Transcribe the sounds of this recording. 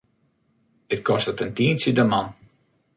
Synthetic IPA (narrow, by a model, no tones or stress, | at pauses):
ɪt̚kɔstətəntiənsədəman